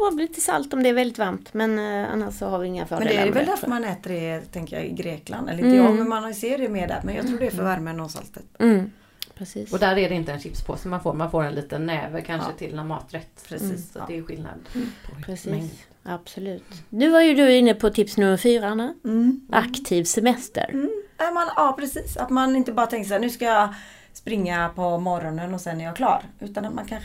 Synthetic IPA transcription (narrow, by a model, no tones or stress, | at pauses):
abliːt̪ːəsa̰lt̪ɔmd̪ɛːɾvɛld̪ɪt̪vaɾmt̪mɛna̰nːaʂsɔhaɾvɪɪŋːa̰fœːɾdɛnḛd̪ɛɾɛɛvɛld̪æɾfəɾmanɛːt̪əɖɛt̪ʰɛŋkəjɑ̰ːɪ̰ɡɾeːkla̰nd̪ɛ̰ləɔmɛmanhɑseːɾɛmeːd̪ɛ̰t̪mɛnjɑ̰t̪ɾuːɖɛæfœɾvaɾmənoːsa̰lt̪ət̪m̩ː | pʰɾɛsiːsɔd̪æɾɛd̪ɛɪnt̪əɛnɕɪpspʰo̰sɔmanfoːɾmanfoːɾɛnliːt̪ənːɛːvəkʰanʂət̪ʰɪlnɔɾmɑ̰ːt̪ɾɛt̪ːɾɛiːsɔd̪ɛjɵɧɪlna̰d̪pʰɾɛsiːs | ab̥sɔlʉ̟ːt̪nʉ̟ːvaɾjɵd̪ɵɪnːəpʰɔt̪ʰɪpsnɵmːəɾfyːɾanaʔakt̪ʰiːvsɛmɛst̪ə̰ɾamɛnɑːpʰɾɛsiːsa̰t̪manɪnt̪əbɑːɾat̪ɛŋkəsaːnʉ̟ːskajɑ | spɾɪŋːapʰɔmɔɾɔnənɔsɛnːæɾjɑːkʰlɑ̰ːɾʔʉ̟ːt̪anat̪mankʰan